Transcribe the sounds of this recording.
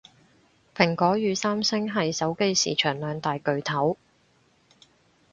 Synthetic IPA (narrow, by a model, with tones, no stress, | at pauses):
pʰɪ˨˩ŋkɔː˨˥jyː˨˧saː˥msɪ˥ŋɦɐ˨jsɐ˨˥wke˥jsḭː˨˩t͡ʃʰœː˨˩ŋlœː˨ŋt̪aː˨jkɵ˨ɥt̪ʰɐ˨˥w